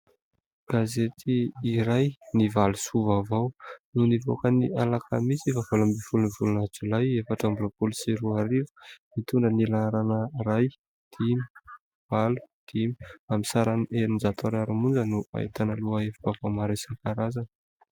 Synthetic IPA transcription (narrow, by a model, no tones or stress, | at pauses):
ɡ̥azet̪ʰiːɾajnivalusuvavawnunivo̰kənialakʰa̰misivafalambifulunivulunat͡sulajefaʈ͡ʂambuɾopulisiɾuaɾivu̥mit̪uɳɖ͡ʐənilaɾanəraj | d̪̥imi̥ | v̥alu̥d̪̥imi̥amisaɾaneɾinzat̪ʰaɾaɾumund͡ʒənua̰ḭt̪anəluəefibavawmaɾasaŋkaɾazan